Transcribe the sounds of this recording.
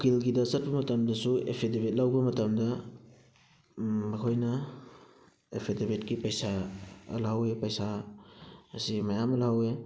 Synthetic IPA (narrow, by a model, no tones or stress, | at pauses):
okʰilɡidɐsɐt̚bɐmɐtɐmdɐsuḛpʰedebet̚lawbɐmɐtɐmdɐ | mɐkʰojnɐ | epʰedebet̚kipɐjsaɐ̰lawepɐjsa | ɐ̰simɐjamɐlawe